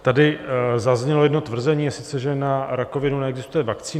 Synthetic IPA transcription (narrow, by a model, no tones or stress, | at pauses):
t̪adɪzazɲɛlojɛdno̞t̪vr̩zɛɲiːasɪt͡sɛʒɛnaɾako̞vɪnunɛɛɡzɪst̪ujɛvakt͡siː